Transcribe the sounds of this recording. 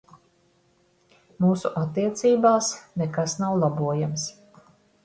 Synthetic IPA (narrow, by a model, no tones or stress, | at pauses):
muːsuʔat̪ːiɛt̪siːbaːsnekasnawlˠabuɔjams